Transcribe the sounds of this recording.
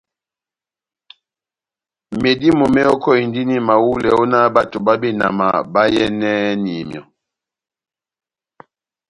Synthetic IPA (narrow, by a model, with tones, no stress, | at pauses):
me˨di˦mo˨mɛ˦ɔ˦kɔ˦i˨ndi˦ni˦ma˨wu˦lɛ˨ɔ˦na˦ba˨to˨ba˦bi˦na̰˨ma̰˨ba˦jɛ˦nɛ˦ni˨mjɔ˨